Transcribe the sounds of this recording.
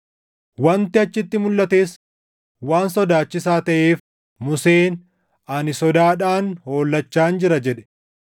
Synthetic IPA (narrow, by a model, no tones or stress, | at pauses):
wɐnt̪ɪɐt͡ʃːɪt̪ːɪmʊlːɐt̪e̞ːs | waːnsɔd̪aːt͡ʃːɪsaːt̪ɐʔeːf | mʊse̞ːn | ɐnɪsɔd̪aːᶑaːnho̞ːlːɐt͡ʃːaːnd͡ʒɪɾɐd͡ʒɛᶑɛ̥